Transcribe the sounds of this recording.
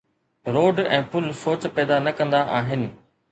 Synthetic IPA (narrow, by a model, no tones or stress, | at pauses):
ɾoːɖɛ̃ːpʊlsoːt͡ɕpɛːd̪anɐkɐ̃nd̪aʔaːɦɪnɪ̆